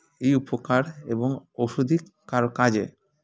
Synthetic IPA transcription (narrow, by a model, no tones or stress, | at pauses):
ejupokaɾeboŋoʃud̪ʱi | kaɾokad͡ʑḛ